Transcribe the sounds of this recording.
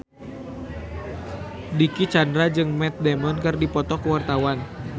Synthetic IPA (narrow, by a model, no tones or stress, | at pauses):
dikit͡ʃandɾad͡ʒɨŋmɛt̪̚dɛmɔnkɨrdipɔt̪ɔkəwart̪awan